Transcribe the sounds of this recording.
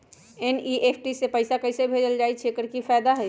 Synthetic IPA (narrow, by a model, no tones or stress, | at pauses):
eniʔepʰʈisepəɪsakəsebʱed͡ʒəld͡ʒaːit͡ʃʰekəɾkifɛːd̪aɦɛ